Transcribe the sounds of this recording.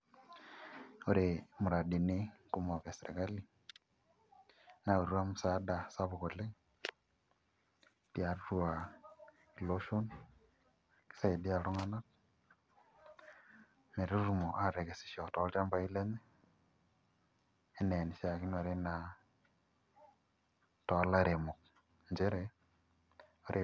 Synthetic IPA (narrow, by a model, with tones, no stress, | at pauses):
o˨ɾemu˨ɾa˨di˨ne˦ku˦mo˨ke˨sɾḛ˨ka˦li˦ | na˨o˨ɾwa˦mu˨sa˦da˨sa˦βo˨kole˦ | tja˨ɾɾua˨ | i˨lo˦ʃo˦n | ki̥˦sa˦i˨di˦a˨lo˦ŋa˦na˦t | me˨ɾe˦ɾu˨mo˨ʔa˦ɾe˨ke˨si̥˨ʃɔ˨tɔ˨˦lta˦mba˨˦i˦le˦ne˦ | e˦ne˨ni˨ʃa˨ki˦no˨ɾe˦na˨ | tɔ˨˦la˦ɾe˨mo˨k̚ | nd͡ʒe˦ɾe˨ | o˦ɾʔe˨